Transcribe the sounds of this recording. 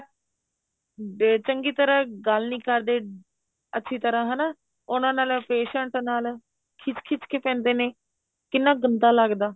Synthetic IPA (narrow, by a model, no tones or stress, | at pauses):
t͡ʃəŋɡiːt̪əɾãːɡəlnĩːkəɾd̪eː | ətːʃʰiːt̪əɾãːɦənaː | ʊnãːnaːlpeːʃəɳʈnaːl | kʰɪt͡ʃkʰɪt͡ʃkeːpɛ̃ːnd̪eːneː | kɪnːãːɡənt̪aːləɡd̪aː